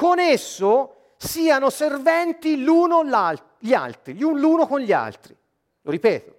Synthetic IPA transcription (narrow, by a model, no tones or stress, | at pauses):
konesːo | siːanoservɛnt̪iluːnola | ʎia̰lt̪ɾiʎunluːnokonʎia̰lt̪ɾi | loɾipɛːt̪o